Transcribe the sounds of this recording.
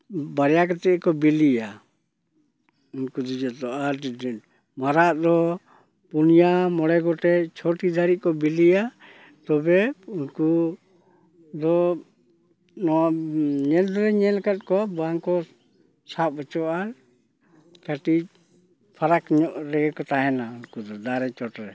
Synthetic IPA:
baɾɛjakat̪ɛkɔbilija | unkud̪id͡ʒɔd̪ɔʔa | maɾaʔd̪ɔ | punijamɔɽɛɡɔʈɛt͡ʃʰɔʈid̪aɾiʔ̚kɔbilija | t̪ɔbɛunku | d̪ɔ | nɔaɲɛld̪ɔɾɛɲɛlkat̪̚kɔbaŋkɔ | sap̚ɔt͡ʃɔʔaɾ | kaʈi | pʰaɾakɲɔʔɾɛɡɛkɔt̪aɦɛnaunkud̪ɔd̪aɾɛt͡ʃɔʈɾɛ

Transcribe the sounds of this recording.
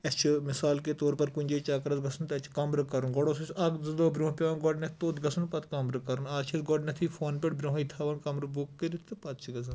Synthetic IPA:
ɐt͡ʃʰimɪsaːlkeːt̪oːɾpɐɾkunʲd͡ʒeːt͡ʃaːkɐɾɐt̪ɡɐsunt̪ɐt͡ʃʰkɐmɾɨkɐɾunɡɔɽoːsɐsʰɐkzɨd̪oːbɾʲõːɦpʲɐʋaːnɡɔɖnɐt̪ʰt̪oːt̪ɡɐsunpɐt̪ʰkɐmɾɨkɐɾunaːt͡ʃʰɐsɡɔɖnɐt̪ʰiːfʰoːnpʲeʈbɾʲõːɦit̪ʰaːʋɐnkɐmɾɨbukːəɾit̪t̪ʰɨpɐt̪t͡ʃʰiɡɐzɐn

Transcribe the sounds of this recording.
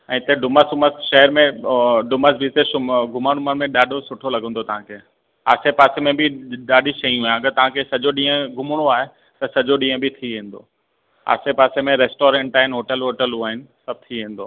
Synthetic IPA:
ɛ̃ːɪt̪eɖʊməsʊməsʃɐɦɛɾmẽɖʊməsbist̪eʊɡʱʊmaɽ̃ʊmənmẽɗaːɖʱosʊʈʰolɐɡʱə̃nd̪ot̪ɐʋ̤ãkʰeː | a̰ːsepaːsemẽbɪɗaːɗiʃɐĩɦuːãɐɡəɾt̪ɐʋ̤ãkʰesɐd͡ʑoɗĩːə̃ɡʱʊmʊɽ̃oaːɦe | t̪ɐsɐd͡ʑoɗĩːə̃bʱɪt̪ʰiʋẽːn̆d̪o̰ː | a̰ːsepaːsemẽɾɛːsʈoːɾẽɳʈaːɦɪnɦoːʈəlɦoːʈəlɦuaːɦɪnɪ̆sɐb̚t̪ʰiʋẽːn̆d̪oː

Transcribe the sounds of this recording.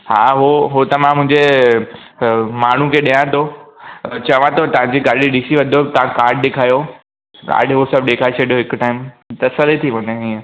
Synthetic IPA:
ha̰ːɦoɦot̪ɐmãmʊ̃ɦɪ̃ɲd͡ʑe | maːɳ̤ũkʰeɗijãt̪ʰo | t͡ɕɐʋãt̪ot̪ɐʋ̤ãd͡ʑiɡaːɾɗiɗiːsiʋɐ̃d̪ʱot̪ɐʋãkaːɾɖ̚ɗeːkʰaːjo | a̰ːɖʱeɦosɐbɗeːkʰaːet͡ɕʰɐɽijoɦɪkʊʈaːɪmt̪ɐsəlet̪ʰiʋɐ̃ɲẽɦiə̃

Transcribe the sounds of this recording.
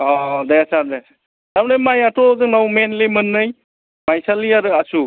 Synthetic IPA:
ɔdajasaɾde | damnajmajatʰɔzɯŋnawmenlemɯnːɯj | majsaliaɾɯasu

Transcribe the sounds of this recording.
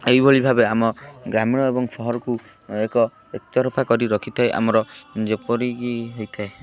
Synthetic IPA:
eɦibʱoɭibʱabeamɔɡɾamiɽ̃ɔebɔŋsɔɦɔɾɔku | ekɔ | ekt͡ʃ̪ɔɾɔpʰakɔɾiɾɔkʰit̪ʰaeʔa̰mɔɾɔd͡ʒepɔɾiɡiɦejt̪ʰae

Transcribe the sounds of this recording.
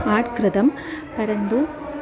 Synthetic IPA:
aːʈkɾɪðɐm | pɐɾɐnd̪u

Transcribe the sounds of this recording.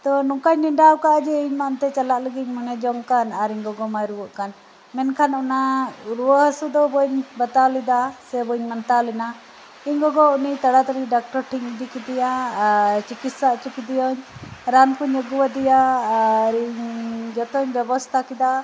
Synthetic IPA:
t̪ɔnukaɲniɳɖawkaʔad͡ʒɛiɲmant̪ɛt͡ʃalaʔləɡiɲmɔnɛd͡ʒɔŋkanaɾiɲɡɔɡɔmajɾuwɔʔkan | mɛnkʰanunaɾuwəɦəsud̪ɔbɔɲbət̪alid̪asɛbɔɲmant̪alina | iɲɡɔɡɔunit̪aɽat̪aɾiɖak̚ʈɔɾʈʰiɲid̪ikid̪ija | t͡ʃikit̪saʔt͡ʃukid̪ijɔɲɾankuɲəɡuwad̪ija | ɾiɲd͡ʒɔt̪ɔɲbjɛbɔst̪ʰakid̪a

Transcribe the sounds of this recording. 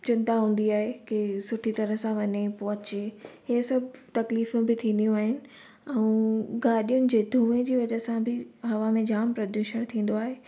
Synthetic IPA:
t͡ɕɪ̃nt̪aɦũːn̆d̪iaːɦekɪsʊʈʰit̪ɐɾəɦsãʋɐɲepoɦʊ̃t͡ɕeɦesɐbʱɪt̪ɐkliːfʊ̃bɪt̪ʰĩːnd̪ijũaːɦɪnɪ̆ | ɛ̃ũɡaːɗijʊnɪ̆d͡ʑeːd̪ʱũːẽd͡ʑeːʋɐd͡ʑəɦsãbɪɦɐʋamẽd͡ʑaːmpɾɐd̪juːʃəɽ̃t̪ʰĩːn̆d̪oaːɦeː

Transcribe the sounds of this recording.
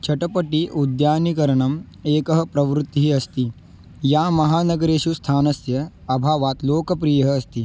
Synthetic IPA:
t͡ʃʰɐʈɐpɐʈiʔud̪jaːnikɐɾɐɳɐm | eːkɐɦɐ̆pɾɐʋɾut̪ːiɦiɐst̪i | jaːmɐɦaːnɐɡɐɾeːʃust̪ʰaːnɐsjɐ | ɐbʱaːʋaːt̪loːkɐp̬ɾijɐɦɐːst̪i

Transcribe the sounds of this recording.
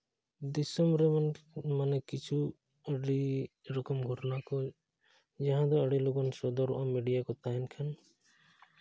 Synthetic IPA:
d̪isɔmbɾɛmanmanɛkit͡ʃʰu | əɖiɾɔkɔmɡʱɔʈnakɔ | d͡ʒaɦãd̪ɔəɖilɔɡɔnsɔd̪ɔɾɔ̰ʔamiɖijakɔt̪aɦɛnkʰan

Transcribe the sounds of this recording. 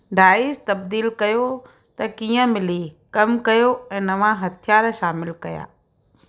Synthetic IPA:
ɖʱaːiːst̪ɐb̚d̪iːlkɐjo | t̪ɐkiːə̃mɪlikɐmkɐjoɛ̃ːnɐʋãɦɐt̪ʰijaːɾʃaːmɪlkɐja̰ː

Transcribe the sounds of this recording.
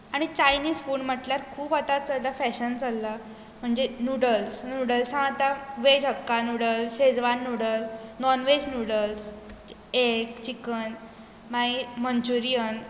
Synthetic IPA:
aɽ̃it͡ɕajniːd͡zfuːɳm̤əʈljaɾkʰuːpat̪at͡salt̪afɛɕənt͡salːa | m̤əɳd͡ʑenuɽəlsnuɽəlsãat̪aʋed͡ʑɦəkːanuɽəlsɕed͡zʋanːuɽəlnɔnʋed͡ʑnuɽəls | ekt͡ɕikən | maimənt͡ɕuɾijən

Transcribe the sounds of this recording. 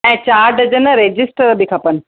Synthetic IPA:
ɛ̃ːt͡ɕaːɾɖɐd͡ʑənəɾeːd͡ʑɪsʈəɾbikʰɐpənɪ̆

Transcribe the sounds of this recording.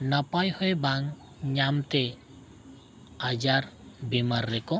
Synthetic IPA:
napajhɔjbaŋ | ɲamt̪e | ad͡ʒaɾbimaɾːɛkɔ

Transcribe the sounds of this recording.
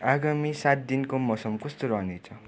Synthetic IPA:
aɡamisat̪̚d̪inkomʌsʌmkʌst̪oɾʌɦnet͡sʰʌ

